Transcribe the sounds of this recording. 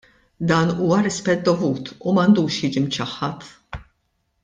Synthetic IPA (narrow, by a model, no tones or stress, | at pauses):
d̪ɐːnuːwɐɾɪspɛt̪̚d̪ɔvuːt̪umɐnd̪uːʃjɪd͡ʒimt͡ʃɐħːɐt̪